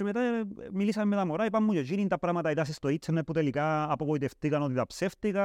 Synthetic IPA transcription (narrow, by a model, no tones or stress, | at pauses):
emet̪amilisɐmːet̪amoɾaipɐmːujoʝinint̪ɐpɾɐmɐt̪ɐiðɐsist̪oit͡ʃʰːenːeput̪elikaːpokoit̪eft̪ikɐnot̪it̪ɐpseft̪ikɐ